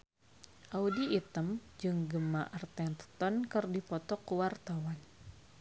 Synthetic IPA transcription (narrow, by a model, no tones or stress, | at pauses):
ʔaudiːt̪əmd͡ʒɨŋɡəmaʔərt̪ɛnt̪ə̥t̪ɔnkərdipɔt̪ɔkuwart̪awan